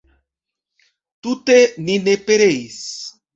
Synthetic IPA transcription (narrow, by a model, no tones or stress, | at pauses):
t̪ut̪enĩnepeɾejs